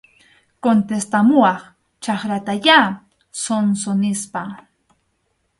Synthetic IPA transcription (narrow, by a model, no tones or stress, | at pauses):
kont̪est̪amʊɑχ | t͡ʃɑχɾat̪aja | sonsonɪspa